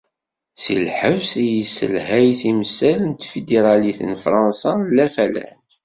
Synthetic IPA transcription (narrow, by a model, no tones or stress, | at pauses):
sḭlħəvsijisːə̰lɦæjθiməsːælənt̪fid̪eɾˤɑliθə̰nfɾˤɑnsɑlːæfælæ̰n